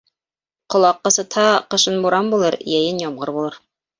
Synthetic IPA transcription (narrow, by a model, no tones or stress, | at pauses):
qŏlˠɑqːɤ̆sɤ̆t̪hɑqɤ̆ʃɤnbuɾɑmbulˠɤɾjæjɘnjɑmʁɤɾbulˠɤɾ